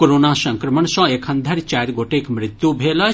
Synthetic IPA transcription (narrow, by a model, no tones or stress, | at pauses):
koɾonasə̃ŋkɾəməɳsɔ̃ekʰə̃nd̪ʱaɾt͡ʃaɾɡoʈekmɾɪt̪jubʱela